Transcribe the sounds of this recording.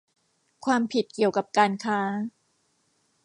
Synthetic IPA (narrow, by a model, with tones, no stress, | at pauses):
kʰwaː˧mpʰi˨˩t̪̚ki˨˩əwka˨˩p̚kaː˧nkʰaː˦˥